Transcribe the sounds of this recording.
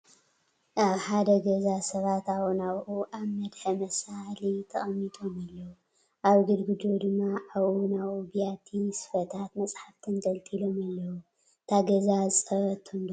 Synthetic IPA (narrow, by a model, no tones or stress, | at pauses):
ʔaβħad̪ɐɡɐzasɐβat̪awonaβʔuʔaβmɐd̪ħɐmɐsalit̪ʰɐχʼɐmːit̪ʼo̞malːɐwu | ʔaβɡɨd̪ɡɨd̪od̪ɨmːaʔaβʔunaβubijat̪ʰisɨ̥fɐt̪ʰat̪mɐt͡sʼħaft̪ʰɨnɡɐlt̪ʼʰilo̞malːɐwu | t̪ʰaɡɐzazɨsʼɐɾɐt̪ʰːund̪